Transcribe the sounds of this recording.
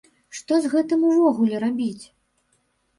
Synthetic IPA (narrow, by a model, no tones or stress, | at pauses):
ʂt̪ɔzɣɛt̪ɨmuvɔɣulʲɛɾabʲit͡sʲ